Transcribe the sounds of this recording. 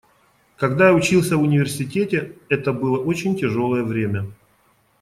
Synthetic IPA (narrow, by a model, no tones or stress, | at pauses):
kɐɡd̪ajaʊt͡ɕilˠsʲəvʊnʲɪvʲɪrsʲɪtʲetʲɪɛt̪əbɨlˠəʔot͡ɕɪnʲtʲɪʐo̞lˠəjəvɾʲemʲə